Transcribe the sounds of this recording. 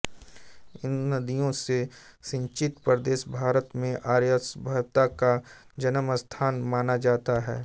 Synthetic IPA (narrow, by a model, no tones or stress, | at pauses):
ɪnːɐd̪ijõsesɪ̃ɲt͡ʃɪt̪pɾəd̪eːʃbʱaːɾət̪mẽʔaːɾjəsbʱɐbt̪aka | d͡ʒɐnəməst̪ʰaːnmaːnad͡ʒaːt̪aɦɛ̰ː